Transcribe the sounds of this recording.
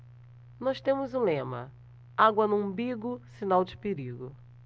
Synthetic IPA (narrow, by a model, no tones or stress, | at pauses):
nɔst̪ẽmʊzʊ̃lẽmɐ̰ | aɡwɐnũbiɡʊsinawd͡ʒɪpeɾiɡʊ